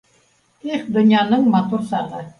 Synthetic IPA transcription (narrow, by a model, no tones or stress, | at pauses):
iχd̪ŏnʲjɑnɤɴmɑt̪uɾsɑʁɤ